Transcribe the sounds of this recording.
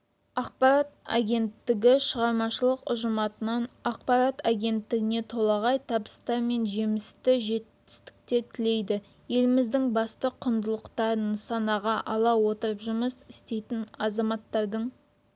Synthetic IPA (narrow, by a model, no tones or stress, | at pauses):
ɑq̚pɑɾɑt̪̚a̰ɡʲe̞nt̪ːɪɡʲɪʃəʁɑɾmɑʃəlˠəqʊ̰ʒəmɑt̪ənɑnɑq̚pɑɾat̪ʰaɡʲe̞nt̪ːɪɡʲɪne̞t̪ʰo̞lˠɑʁɑjt̪ʰɑbəst̪ɑɾme̞nʒe̞mɪst̪ɪʒe̞t̪ː | ɪ̥st̪ɪ̥k̚t̪et̪ʰɪle̞jd̪ɪ | je̞lɪmɪzd̪ɪŋbɑst̪əqʰʊnd̪əlˠəqt̪ɑɾənsɑnɑʁɑʔɑlˠɑwo̞t̪əɾəpʒʊməsɪst̪e̞jt̪ɪnɑzɑmɑt̪ːɑɾd̪əɴ